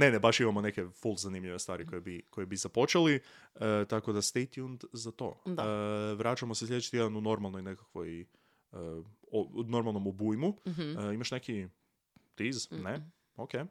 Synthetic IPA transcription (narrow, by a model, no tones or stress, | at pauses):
ne̞nebaʃimamone̞kefulˠzanimʎʲiʋest̪ʋaːɾikojebiko̞jebizapo̞t͡ʃeliət̪ako̞d̪ast̪ejt̪iund̪zat̪o̞̰ːd̪aʋɾat͡ʃamoseslʎeet͡ʃi̥t̪ijed̪anuno̞ɾmalˠnojne̞kakʋoj | əono̞ɾmalˠno̞mobujmuimaʃne̞ki | t̪izne | oke